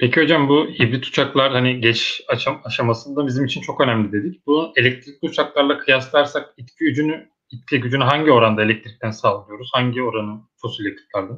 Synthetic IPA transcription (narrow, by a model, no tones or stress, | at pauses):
pʰecio̞d͡ʒambuibɾit̪ʰu̥t͡ʃʰaklˠaɾhaniɟɛt͡ʃat͡ʃaaʃamasɯnd̪abizimit͡ʃʰint͡ʃʰo̞kø̞næmlʲid̪e̞d̪icb̥une̞lʲɛc̚t̪ʰɾic̚ʲlʲiut͡ʃʰaklˠaɾlˠakʰɯjaslˠaɾsak̚it̪cʰiyd͡ʒyny | it̪̚cʰiɟyd͡ʒynyɦaɲɟio̞ɾand̪ae̞lʲɛc̚t̪ʰɾic̚t̪ʰænsaːlˠɯjo̞ɾuz̥haɲɟio̞ɾanɯt͡ʃʰo̞sulʲetk̪ʰɯ̥p̪̚lˠaɾd̪an